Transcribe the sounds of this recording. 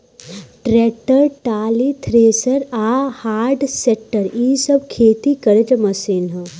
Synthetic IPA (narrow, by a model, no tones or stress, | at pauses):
ʈɾeːʈəɾʈaːlit̪ʰɾeːsəɾaːhaːɾɖseːk̚ʈəɾiːsəbkʰeːt̪ikɐɾed͡ʒmɐsiːnɦə